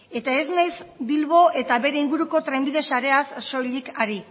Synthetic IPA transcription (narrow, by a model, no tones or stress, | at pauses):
e̞t̪ae̞znajsbilβo̞ʔe̞t̪aβe̞ɾe̞iŋɡuɾuko̞t̪ɾe̞mbiðe̞saɾe̞asːo̞ʎikaɾi